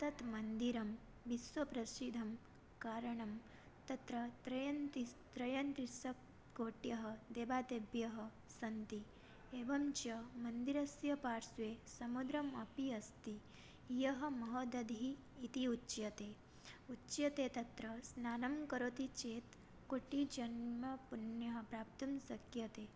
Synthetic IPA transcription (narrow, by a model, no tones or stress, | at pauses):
t̪ɐt̪mɐnd̪iɾɐm | ʋisʋɐpɾɐsid̪ʱɐm | kaːɾɐɳɐm | t̪ɐt̪ɾɐt̪ɾɐjnt̪it̪ɾɐjɐnt̪ɾisɐ | ɡoːʈjɐɦɐ̆d̪eːbaːt̪eːbjɐɦɐ̆ | sɐnt̪i | eːbɐmt͡ʃɐmɐnd̪iɾɐsjɐpaːɾsʋeːsɐmud̪ɾɐmɐpiɐst̪i | jɐɦɐ̆mɐɦod̪ɐd̪ʱiː | t̪iutːt͡ʃjɐt̪eː | utːt͡ʃjɐt̪eːt̪ɐt̪ɾɐsnaːnɐmkɐɾoːt̪it͡ʃeːt̪ | koʈid͡ʒɐnmɐpunjɐɦɐpɾaːp̚t̪ɐmsɐkjɐt̪eː